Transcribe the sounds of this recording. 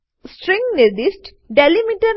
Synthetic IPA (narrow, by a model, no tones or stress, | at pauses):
sʈɾĩŋɡneɾd̪isʈ | ɖelimiʈɐɾ